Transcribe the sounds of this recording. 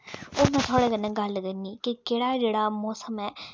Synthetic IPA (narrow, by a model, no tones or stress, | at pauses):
oːmɛ̃ːt̪ʰʊaːɽeːkənːɛ̃ːɡəlkəɾniːkikeːɽaːd͡ʒeːɽaːmɔːsəmɛː